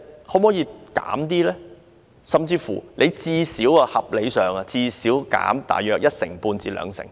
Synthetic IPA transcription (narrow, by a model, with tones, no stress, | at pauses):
ho˨˥moː˨˥jiː˨˧kaː˨˥mt̪̬iː˥lɛː˥ | sɐ˨mt͡siː˧fṵ˨˩lʔe˨˧jt͡siː˧siː˨˥wɐː˧hɐ˨p̚le˨˧jsœː˨˩ŋɐ˧t͡siː˧siː˨˥wka̰ː˨˥mt̪a̰ː˨˩jœː˨k̚jɐ˥t̚sɪ˨˩ŋpuː˧nt͡siː˨˧lœ̰ː˨˧ŋsɪ̰˨˩ŋ